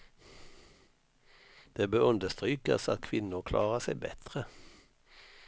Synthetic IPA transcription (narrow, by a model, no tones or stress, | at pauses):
d̪̥eːbøːʁʉnd̪əst̪ʁyːkə̰sɑt̪kʰʋɪnʊʁkʰlʔɑ̰ːʁəsæɪbɛ̰t̪ʁə